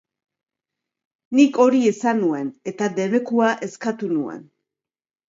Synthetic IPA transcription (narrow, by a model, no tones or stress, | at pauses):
niko̞ɾie̞sanue̞ne̞t̪ad̪e̞βe̞kuaʔe̞skat̪unue̞̰n